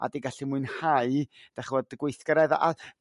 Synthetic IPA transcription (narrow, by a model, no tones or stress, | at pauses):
a̰diɡaɬimʊɨnhaɨd̥ɛχwɔdəɡwejθɡ̥əɾɛðaʔa